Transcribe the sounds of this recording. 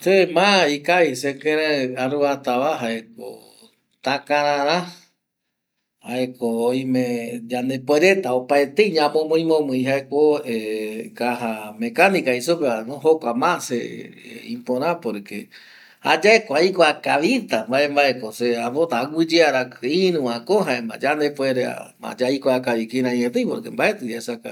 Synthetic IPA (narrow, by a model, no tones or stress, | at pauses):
semãikajsekẽɾeaɾuβat̪aβaɦaek̚o̰ | t̪akãɾãɾã | haekoːjmẽd͡ʒand̪epweɾe̞t̪aopaet̪eiɲãmõmõĩmõmɨ̃j̃ɦaekoekaɦamẽkanikaisupeanõɦokʷamãsḛ | ĩpõɾãpoɾekḛ | ha̰d͡ʒaekoaikoakaʋit̪ambaembaekoseaβot̪aːɡɨd͡ʒeaɾakɨĩnũãkõɦaemã̰d͡ʒand̪epweɾea̰mã̰d͡ʒaikoakaʋikiɾãĩɲẽt̪ẽjpoɾkembaʔet̪ɨd͡ʒaesaka̰